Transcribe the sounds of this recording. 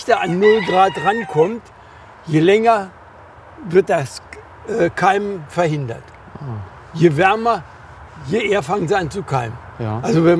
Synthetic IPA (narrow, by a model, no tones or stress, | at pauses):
tɐanːʊlɡʁaːtʁankʰɔmt | jelɛŋɐ | vɪɐt̚d̥as | ʔɛkʰaɪmfɛɐhɪndɐ̰t | jevɛɐmɐ | jeʔeːɐfaŋənziant͡sukʰaɪmənʔalzovɛn